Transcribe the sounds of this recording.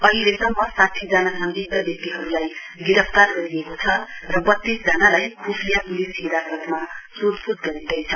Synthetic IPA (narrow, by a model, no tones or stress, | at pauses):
ʌɦilesʌmːʌsat̪ʰid͡zanasʌŋɡib̚d̪ʌbjʌk̚t̪iɦʌɾulaj | ɡiɾʌpʰt̪arɡʌɾijekot͡sʰʌrʌbʌt̪ːisd͡zʌnalajkʰupʰijapulisiɾakrʌt̪masod̪pud̪ɡʌɾid̪ʌjt͡sʰʌ